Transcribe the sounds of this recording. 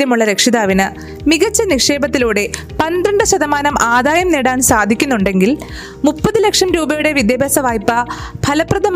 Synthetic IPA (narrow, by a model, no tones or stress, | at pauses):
jɐmuɭːɐɾekʂiðaːʋinɨ | miɣɐt͡ɕːɐnikʂeːbɐt̪ːiluːɽe̞ | pɐnd̪ɾɐɳɖɨɕɐðɐmaːnɐmʔaːd̪aːjɐmniːɽaːnsaːd̪ʱikʲːunːuɳɖe̞ŋɡil | mupːɐðɨlɐkʂɐmɾuːbɐjuɽe̞ʋid̪jɐbʱeːsɐʋaːjpːɐbʱɐlɐpːrɐd̪ʱɐm